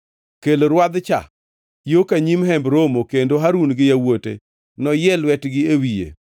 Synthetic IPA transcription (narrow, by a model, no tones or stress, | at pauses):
keloɾwad̪t͡ʃa̰ | jokaɲimɦɛmbɾomokendoɦaɾunɡɪjawotḛ | nɔjɛlwɛtɡɪewijḛ